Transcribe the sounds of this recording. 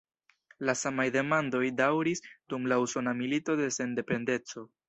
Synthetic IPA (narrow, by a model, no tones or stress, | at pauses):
lasamajde̞mando̞jdawɾisdumlausonamilito̞de̞se̞nde̞pe̞nde̞t͡so̞